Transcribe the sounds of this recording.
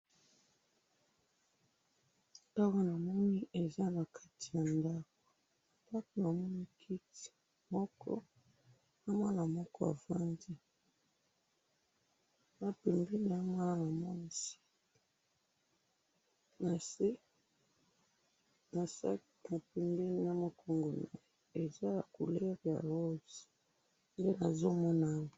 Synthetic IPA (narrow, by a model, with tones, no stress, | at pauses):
ta˦ka˦na˨mɔ˦ni˦ʔe˨za˦na˨kʰa˦ti̥˨ja˨nda˦ko̥˨ | ta˦ko˨na˨mɔ˦ni˦kʰi˦ti̥˨ | mɔ˦kʰɔ̰˦ | a˦ma˦na˨mɔ˦kɔ˦a̰˨va˦ndi˦ | na˨pɛ˨mbi˦ni˨a˦ma˦na˨mɔ˦si̥˦ | na˨se˦ | na˨s | na˨pɛ˨mbe˦ni˨a˦mɔ˦kʰɔ˦ŋɡo˨nḛ˨ | e˨za˦ja˨ku˨lɛ˦ʁja̰˨lo˦zi̥˨ | nde˦na˨zo˦mɔ˦na˦ŋ˨